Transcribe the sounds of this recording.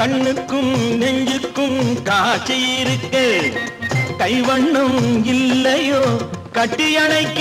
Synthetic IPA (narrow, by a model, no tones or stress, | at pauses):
kɐɳːɯkːɯmnɛɲd͡ʒɯkːɯmkaːt͡ʃɛjːɪɾɯkːeː | k̪ɐjʋɐɳːɐmɪlːɐjoːkɐʈːijɐɳɐɪkː